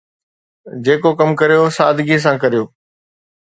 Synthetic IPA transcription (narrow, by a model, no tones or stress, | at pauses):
d͡ʑeːkokɐmkɐɾijosaːd̪ʱɪɡis̬ãːkɐɾijoː